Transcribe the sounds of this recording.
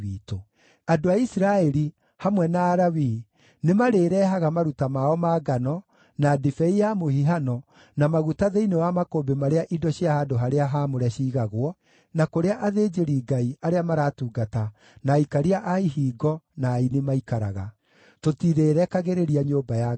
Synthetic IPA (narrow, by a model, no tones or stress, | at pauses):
iːto | adoaisiɾaɛɾi | hamwɛnaːɾawi | nemaɾeːɾɛːɦaɣamaɾutamaɔmaːɡanɔ | nadifɛijamohiɦanɔ | namaɣutaðeinewamakobemaɾeaʔidɔɕiahadoɦaɾeaɦamoɾɛɕiːɣaɣwɔ | nakoɾeaʔaðeːd͡ʒeɾiːɡaiaɾeamaɾaːtuːɡata | naikaɾiaʔaihiːɡɔnaːinemaikaɾa̰ɣa̰ | totiɾeːɾɛkaɣeɾeɾiaɲoːbaja